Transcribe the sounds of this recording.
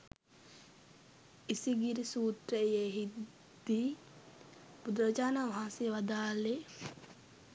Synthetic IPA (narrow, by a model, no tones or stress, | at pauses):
isiɡiɾisuːt̪ɾəjeɦi | d̪̥i | bud̪ɾɐd͡ʒaːnaʋaɦãnsijəʋad̪aːle